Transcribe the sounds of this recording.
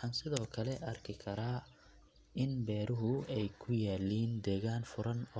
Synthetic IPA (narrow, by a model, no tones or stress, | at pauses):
ħɑːnsɪðɔːkʰɐlɛʔɐrkʰɪkʰɐɾaː | ɪnbɛːɾʊɦʊɛjkʰʊjaːliːnd̪ɛːɣaːnfʊɾɐnɔ